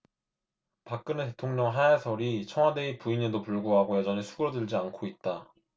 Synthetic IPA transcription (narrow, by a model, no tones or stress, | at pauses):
pak̚k͈ɯnɯte̞tʰoŋɲʌŋɦaesʰʌɾit͡ɕʰʌŋwadeipuiɲedopuɭɡoɦaɡojʌd͡ʑʌnisʰuɡɯɾʌdɯɭd͡ʑiankʰoit̚t͈a